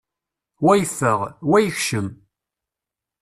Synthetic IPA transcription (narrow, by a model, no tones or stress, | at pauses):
wæjθəʁwæjəçʃəm